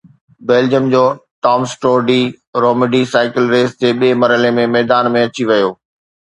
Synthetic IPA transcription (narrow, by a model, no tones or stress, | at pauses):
beːld͡ʑəmd͡ʑoːʈɔːmsʈoːɖiː | ɾoːmɪɖisaːɪkɪlɾeːst̪eɓeːmɐɾɦəlemẽmɛːd̪aːnmẽɐt͡ɕiʋɐjoː